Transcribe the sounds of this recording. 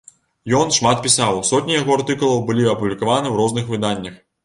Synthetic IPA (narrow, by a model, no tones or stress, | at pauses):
jɔnʂmat̪̚pʲisawsɔt̪ʲnʲijaɣɔart̪ɨkulˠɐwbɨlʲiɐpublʲikavanɨwɾɔznɨxvɨd̪anʲːɐx